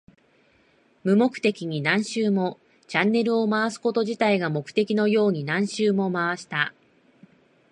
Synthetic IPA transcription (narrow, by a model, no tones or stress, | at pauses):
mɯ̟mo̞kɯ̟̥t̪e̞kʲiɲ̟inãɰ̃ɕɨːmo̞ | t͡ɕãnːe̞ɾɯ̟o̞maβasɨ̥ko̞t̪o̞ʑit̪aiɡamo̞kɯ̥t̪e̞kʲino̞jo̞ːɲ̟inãɰ̃ɕɨːmo̞maβaɕi̥t̪a